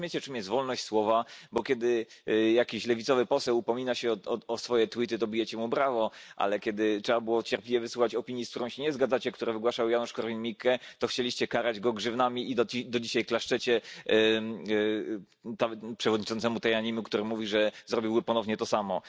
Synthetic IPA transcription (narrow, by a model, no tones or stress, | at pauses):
mʲjet͡ɕɛt͡ʂɨmjɛst̪vɔlnɔɕt͡ɕʲswɔvabɔkʲjɛd̪ɘjakʲiɕlɛvʲit̪sɔvɘpɔsɛwupɔmʲinaɕɛɔɔɔsfɔjɛt̪wit̪ɘt̪ɔbʲijɛt͡ɕɛmubɾavɔʔa̰lɛkʲɛd̪ɘtʂɛbabɘwɔt͡ɕɛɾplʲivʲjɛvɨsuxat͡ɕɔpʲiɲjiskt̪uɾɔ̃w̃ɕɛɲɛzɡad̪zat͡ɕɛkt̪uɾɛvɘɡwaʂawjanuʂkɔɾvʲinmʲikɛt̪ɔxt͡ɕelʲiɕt͡ɕɛkaɾad͡ʑɡɔɡʐɘvnamʲiid̪d̪ɔd͡ʑiɕajklaʂt͡ʂɛt͡ɕɛ | t̪apʂɛvɔd̪ɲit͡ʂɔnt̪sɛmut̪ajaɲimukt̪uɾɘmuvʲiʐɛzɾɔbʲiwbɘpɔnɔvɲɛt̪ɔsamɔ